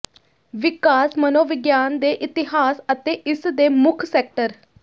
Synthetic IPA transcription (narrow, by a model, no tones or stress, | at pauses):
ʋɪkaːsmənoːʋɪɡjaːnd̪eːʔɪt̪ɪɦaːsət̪eːʔɪsd̪eːmʊkʰsɛːk̚ʈəɾ